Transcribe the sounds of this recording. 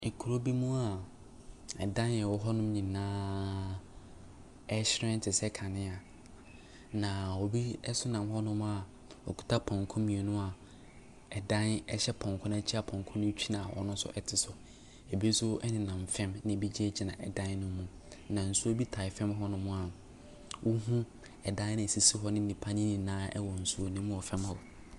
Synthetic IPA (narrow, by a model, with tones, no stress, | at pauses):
kʰu˨ɾo˦bi˦mũ˦a˨ | ɛ̰˨dã˦n˨ɛ˨wɔ˨ɦɔ˦nʊ̃˦m˦ɲĩ˨nãː˦ | ɛ˦ɕɪ˦ɾɛ̃˦n̩˦tʰɪ˨sɛ˦kʰa˨nɪ̃˦a˨ | nã˨wɔ˨bi˦ɛ˦sʊ˦nã˨mɦɔ˦nʊ̃˦m˦a˨ | ɔ̰˨kʰu̥˨tʰa˦pʰɔ̃˨ŋkʰɔ̃˦mĩ˨e˨nʊ̃˦a˨ | ɛ˨dã˦nɛ˦ɕɛ˦pʰɔ̃˨ŋ˨kʰɔ̃˦nã˦t͡ɕʰi˦a˦pʰɔ̃˨ŋkʰɔ̃˦nʊ̃˦t͡ɕʰᶣi˦nã˨wɔ̰˨nʊ̃˦sʊ̰˦ʔɛ˦tʰɪ˨sʊ˨ | e˨bsʊ˦ɛ˦nɪ̃˨nã˨m˨fɛ̃˦mnɪ̃˨˦˨bi˦d͡ʑi˦ɛ˦d͡ʑi˨nã˨ʔɛ˨dã˦n˦nʊ̃˦mũ˨ | nã˨n̩˨su˦o˦bi˦tʰa˨ɪ˨fɛ̃˦mɦɔ˦nʊ̃˦mʊ̃˦a˨ | wʔo˦ɦũ˦ | ɛ˨dã˦n˦nɪ̃˨si˨si˦ɦɔ˦nɪ̃˦n̩˦˨nĩ˨pʰa˦nĩ˦nĩ˨nãː˦ɛ̰˦wɔ˨n̩˨su˦o˦nʊ̃˦mũ˦ɔ˨fɛ̃˦mhɔ˨